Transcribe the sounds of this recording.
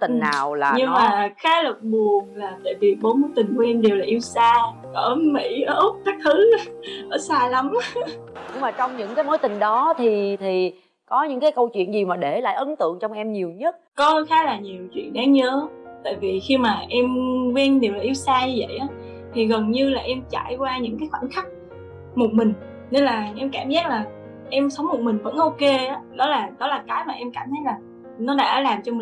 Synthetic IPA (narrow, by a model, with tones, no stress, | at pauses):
t̪ï˨˩ŋna̰ː˨˩wla̰ː˨ɲɨ˧ŋmaː˨˩xaː˨˦lə˨˩t̚ɓu˨˩əŋlaː˨˩t̪a̰ː˧˨jvi˨˩ɓo˨˦nmo˨˦jt̪ï˨˩ŋ̟ku˩˦ʔɛ˧mɗe˨˩wlaː˨˩ʔi˧əwsaː˧ʔəː˧˩mḭ˧˩˥ʔə˧o˦˥p̚t̪aː˨˦˥k̚t̪ʰɨ˨˦ʔəː˧˨˦saː˧la˨˦m | ɲɨ˧ŋmaː˨˩t͡ɕɔ˧wŋ͡mɲɨ̰˧˥ŋkaː˨˦jmo˨˦jt̪ï˨˩ŋ̟ɗɔ˨˦t̪ʰi˨˩t̪ʰi˨˩ | kɔ˨˦ɲɨ̰˧˥ŋkaː˨˦jkə˧wt͡ɕwḭ˧˨ənzi˨˩maː˨˩ɗe˧˩la̰ː˧˨jʔə˨˦nt̪ɨ̰˧˨əŋt͡ɕɔ˧wŋ͡mʔɛ˧mɲi˨˩əwɲə˦˥t̚kɔ˨˦˨xaː˨˦laː˨˩ɲi˨˩əwt͡ɕwḭ˧˨ənɗaː˨˦ɲəː˨˦t̪a̰ː˧˨jvi˨˩xi˧maː˨˩ʔɛ˧mkwɛ˧nɗi˨˩wlaː˨˩ʔi˧wsaː˧ɲɨ˧və̰˧˨jʔaː˨˦ | t̪ʰi˨˩ɣə˨˩nɲɨ˧laː˨˩ʔɛ˧mt͡ɕa̰ː˧˨jkwaː˧ɲɨ̰˧˥ŋkaː˨˦jxwaː˧˩nxa˦˥k̚ | mo˨˩t̚mï˨˩ŋ̟ | ne˧nlaː˨˩ʔɛ˧mkaː˧˩mzaː˦˥t̚laː˨˩ | ʔɛ˧msə˨˦wŋ͡mmo˨˩t̚mï˨˩ŋ̟və̰˧˥nʔo˧ke˧ʔaː˨˦ɗɔ˨˦laː˨˩ɗɔ˨˦laː˨˩kaː˨˦jmaː˨˩ʔɛ˧mkaː˧˩mt̪ʰa˨˦˥t̚laː˨˩ | nɔ˨˦ɗa̰ː˧˥ɗaː˧˩laː˨˩mt͡ɕɔ˧mi˨